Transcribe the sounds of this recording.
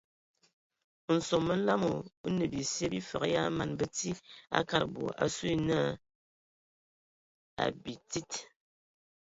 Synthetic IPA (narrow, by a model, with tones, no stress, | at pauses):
n̩˨so˨mmə˦n̩˦la˦mo˨˦nə˨bi˨sje˦bi˦fə̰˨kja˦ma˨nbə˨ti˦a̰˦ka˦ɾbo̰˨ʔa̰˨su˦i˦na˦˨ | a̰˨bi˨ti˦t